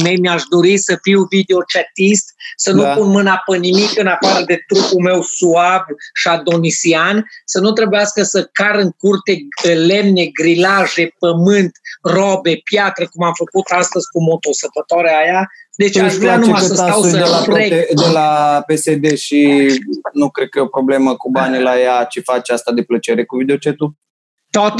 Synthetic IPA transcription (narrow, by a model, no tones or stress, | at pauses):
mejmiaʃd̪o̞ɾisəfiwvid̪eo̞t͡ʃat̪ist̪sənupunmɨnapənimikɨnafaɾəd̪e̞t̪ɾupume̞wsuabʃad̪o̞nisiansənut̪ɾe̞bujaskəsəkaɾɨŋkurt̪e̞le̞mne̞ɡɾilaʒe̞pəmɨnt̪robe̞pjat̪ɾəkumamfəkut̪ast̪əzʲkumo̞t̪o̞səpət̪oɾeajad̪e̞t͡ʃaʒvɾanumajəsat̪awsədelapɾed̪elapesed̪eʃi | nukɾed̪̚kəjeopɾo̞ble̞məkubanilajat͡ʃefat͡ʃast̪ad̪e̞plət͡ʃe̞ɾe̞kuvid̪eot͡ʃet̪u | t̪ot̪